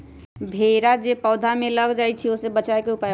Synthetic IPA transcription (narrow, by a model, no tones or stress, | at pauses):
bʱeɾad͡ʒepəʊd̪ʱameləɡd͡ʒajt͡ʃʰiosebət͡ʃaekeupa